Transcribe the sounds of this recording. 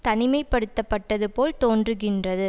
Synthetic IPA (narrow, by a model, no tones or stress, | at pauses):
t̪ɐnɪmɐɪpːɐɽɯt̪ːɐpːɐʈːɐðɯpoːlt̪oːndrɯɣɪndrɐðɯ